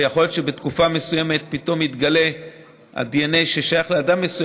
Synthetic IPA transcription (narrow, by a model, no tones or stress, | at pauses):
jaχo̞ljot̪ʃe̞be̞t̪kufame̞suje̞me̞t̪̚pit̪o̞mit̪ɡale̞ | ha̰dienejʃeʃajaχleadamːesuj